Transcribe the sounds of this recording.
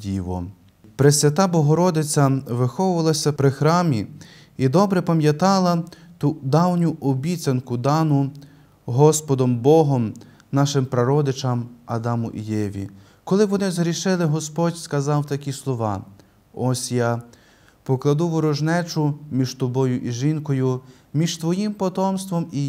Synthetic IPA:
dʲiʋɔ̰ | pɾesʲʋʲɐt̪ɑbɔɦɔɾɔd̪ɪt͡sʲɐʋɪxɔʋʊʋɐlˠɐsʲɐpɾɪxɾɑmʲi | id̪ɔbɾɛpɐmʲjɐt̪ɑlˠɐt̪ud̪ɑwnʲʊʔɔbʲit͡sʲɐnkʊd̪ɑnʊ | ɦɔspɔd̪ɔmbɔɦɔm | nɑʃɪmpɾɐɾɔd̪ɪt͡ʃɐmɐd̪ɑmʊ̰ʔḭjɛʋʲḭ | kɔlˠɪʋɔnɪzɦɾʲiʃɪlˠɪɦɔspɔdʲskɐzɑwt̪ɐkʲislˠɔʋɑ̰ | ɔsʲja | pɔklˠɐd̪uʋɔɾɔʒnɛt͡ʃʊmʲiʒt̪ɔbɔjʊʔiʒinkɔjʊ | mʲiʒ̥t̪ʋɔjimpɔt̪ɔmst̪ʋɔmi

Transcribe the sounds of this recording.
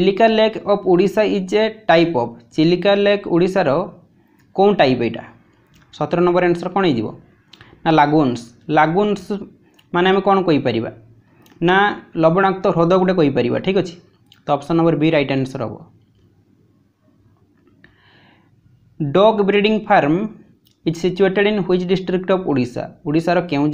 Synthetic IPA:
t͡ʃilikalekɔpuɽisaid͡ʒeʈajpɔp̚t͡ʃilikalekʰuɽisaɾɔ | koũʈajpejʈa̰ | sɔt̪ɔɾɔnɔmbɔɾensɾɔkɔɽ̃ejd͡ʒibɔ̰ | nalaɡuns | laɡuns | maneamekɔɽɔkɔipaɾiba̰ | nalɔbɔɽ̃ak̚t̪ɔɾod̪ʱɔɡuɖekoipaɾiba̰ʈʰikɔt͡ʃʰi̥ | t̪ɔpsɔnɔbɔɾbʱiɾajʈensɾɦɔ̰bɔ̰ | ɖɔkbɾiɖiŋpʰaɾm | it͡ʃsit͡ʃueʈeɖinɦuit͡ʃɖisʈɾikʈɔpuɽisa̰uɽisaɾɔkeũd͡ʒ

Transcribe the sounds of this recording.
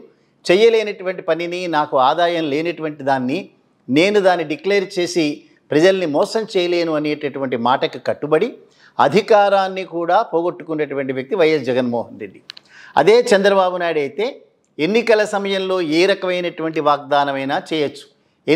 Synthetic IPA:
t͡ʃɛːjɐleːnɐʈuʋɐɳʈipɐnininaːkuaːd̪aːjɐmleːnɐʈuʋɐɳʈid̪aːnːi | ne̞ːnud̪aːnːiɖikleːɾt͡ʃe̞ːsi | pɾɐd͡ʒɐlɐnimɔːsɐmt͡ʃɛːjɐle̞ːnuɐneːʈɐʈuʋɐɳʈimaːʈɐkikɐʈːubɐɽi | ɐ̰d̪ʱikaːɾaːnːikuːɽaːpoːɡoʈːukunːɐʈuʋɐɳʈ̬iʋjɐk̚t̪iʋɐjɐsd͡ʒɛɡɐnmɔːɦɐnɾe̞ɖːi | ɐ̰d̪e̞ːt͡ʃɐnd̪ɾɐbaːbunaːjiɽɐjt̪e̞ː | enːikɐlɐsɐmɐjɐmlo̞ːeːɾɐkɐmɐjnɐʈuʋɐɳʈiʋaːɡ̚d̪aːnɐmɐjnat͡ʃɛːjɐt͡ʃːu̥ | e

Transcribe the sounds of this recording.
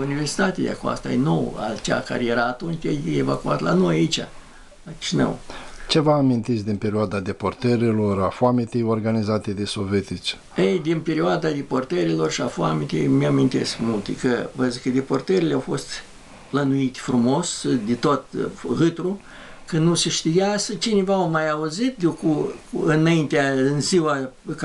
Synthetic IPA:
universi̥t̪at̪ʲad̪̰ʲa̰kua̰st̪a̰jeno̞wa̰t͡ʃa̰ka̰ɾejeɾaːt̪unt͡ʃʲejevakuat̪la̰no̞jait͡ʃʲa̰ | ai̥t͡ʃinə̰wt͡ʃe̞vaːmint̪it̪sʲd̪inpe̞ɾioad̪ad̪e̞po̞rt̪eɾelo̞rafoamet̪ejo̞rɡanizat̪ed̪e̞so̞vʲet̪it͡ʃʲ | ejd̪inpe̞ɾioad̪ad̪epo̞rt̪eɾelo̞rʃiafuamet̪ejmeamint̪e̞̰skmult̪ḛkəvəzkəd̪epo̞rt̪əɾeleawfo̞st̪ | plənuit̪e̥fɾumo̞sd̪et̪o̞t̪ɦɨt̪ɾu | kənuseʃt̪iɡasət͡ʃine̞vaamajauzit̪̚d̪okuɨnaint̪eaɨnziwak

